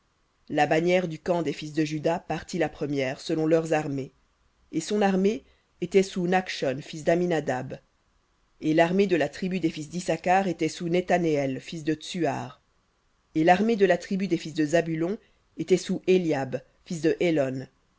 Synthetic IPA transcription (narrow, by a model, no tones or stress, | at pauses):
labanjɛʁd̪ykɑ̃d̪efis̬d̪əʒyd̪apaʁt̪ilapχəmjɛːʁsəlɔ̃lœʁzaʁme | esɔ̃naʁme | et̪ɛsunakʃɔnfis̬d̪aminad̪ab | elaʁmed̪əlat̪χibyd̪efis̬d̪isakaʁet̪ɛsunet̪aneɛlfis̬d̪ət̪sya̰ːʁ | elaʁmed̪əlat̪χibyd̪efis̬d̪əzabylɔ̃ | et̪ɛsuʔeljab | fis̬d̪əʔelɔn